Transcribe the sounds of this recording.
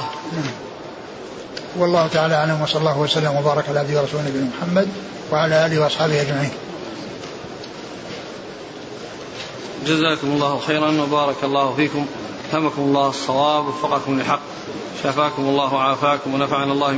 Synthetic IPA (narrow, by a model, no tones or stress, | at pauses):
naʕm | wɑlːɑːhʊt̪aʕaːlaʔaʕlamwɑsˤɑlːɑːhʊwasalːamwabɑːɾˤɑkʕalaʕad̪jwɾˤɑsuːlnabnamʊħamːad̪ | waʕalaʔaːlɪhwɑʔɑsˤħɑːbɪhʔad͡ʒmaʕiːn | d͡ʒazaːkʊmɑlˤːɑːhʊxejɾˤɑnwabɑːɾˤɑkɑlˤːɑːhʊfiːkʊm | ahamakʊmɑlˤːɑːhɑsˤːɑwɑːbwɑfːɑqɑkʊmlɪħɑqː | ʃafaːkʊmɑlˤːɑːhwaʕaːfaːkʊmwanafaʕanalˤːɑːh